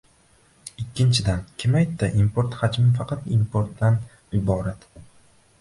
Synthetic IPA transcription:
ɪkʲːɪnt͡ʃʰɪd̪ankʲʰɪmajt̪ːaʔimpoɾt̪had͡ʒmɪfɑqʰɑt̪impʰoɾt̪ːan | ɪbɒːɾat̪

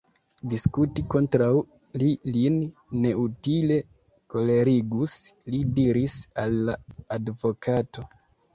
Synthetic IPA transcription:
diskutiko̞ntɾaw | lilinːe̞utile̞ | ko̞le̞ɾiɡuslidiɾisalːaːdvo̞kʰato̞

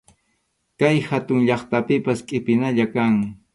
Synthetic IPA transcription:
kajhat̪ʊŋʎɑχt̪apɪpaskʼɪpɪnaʎakaŋ

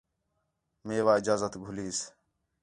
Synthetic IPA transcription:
meːʋaːɪd͡ʒaːzət̪ɡʱʊliːs

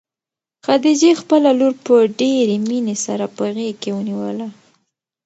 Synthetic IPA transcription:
xad̪ed͡ʒexpəlaloɾpəɖeɾeminesaɾapəɣekewəniwəla

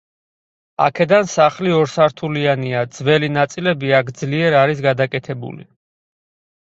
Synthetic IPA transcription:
a̰kʰɛd̪ansaχliɔɾsaɾt̪ʰulianiad̪z̥vɛlinat̪sʼilɛbiakʰd̪zliɛɾaɾisɡad̪akʼɛt̪ʰɛbṵlḭ

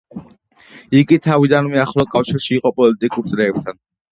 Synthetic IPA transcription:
iɡit̪ʰavid̪anmɛaχlˠɔkʼafʃiɾʃiːqʼɔpʼɔlit̪ʼikʼuɾt̪sʼlɛːb̚t̪ʰan

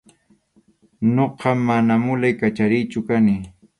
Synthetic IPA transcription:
noqɑmːanamʊlajkat͡ʃaɾɪjt͡ʃʊkanɪ

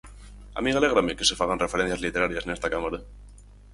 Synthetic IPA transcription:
a̰miale̞ɣɾameke̞se̞faɣ̞anre̞feɾe̞n̟θjazlit̪e̞ɾaɾjasene̞st̪akamaɾa

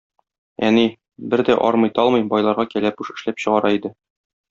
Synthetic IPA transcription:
æni | bɘɾd̪æʔɒɾmɤ̆jt̪ɒlˠmɤjbɒjlˠɑɾʁɑkælæp̚uʃɘ̆ʃlæpɕɤ̆ʁɑɾɑid̪ɘ

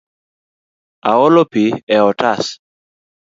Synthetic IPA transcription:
aɔlɔpiɛɔtas

